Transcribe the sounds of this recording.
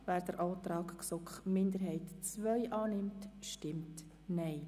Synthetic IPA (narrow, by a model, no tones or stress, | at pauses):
væːɾd̥əɾʔɔːt̪ɾɑːkksɔkχmɪnd̪əɾɦɛɪtt͡sʋœʏʔɑːnɪmtʃtɪmt | nɛɪ